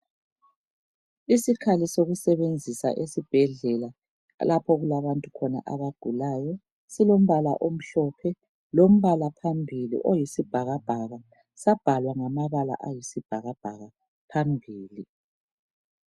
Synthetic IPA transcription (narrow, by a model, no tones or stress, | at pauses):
isikʰalisoɣusɛβend͡zʱisa̰ʔesib̥ʱɛɮɛla | lapʰɔɣulaβantʼukʰɔna̰ʔaβaɡ̥ʱulajɔ | silom̩βala̰ʔom̩ɬɔpʰɛ | lom̩βalapʰambʱilḭʔojisib̥ʱaɣab̥ʱaɣa | sab̥ʱalwaŋamaβala̰ʔajisib̥ʱaɣab̥ʱaɣa | pʰambʱiːli